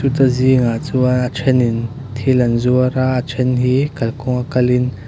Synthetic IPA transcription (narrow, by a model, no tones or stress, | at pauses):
ut̪aziŋat͡suaat͡sʰɛnin | t̪ʰilɐnzuəɾaʔat͡ʃʰɛnɦiːkɐlkɔŋakɐlin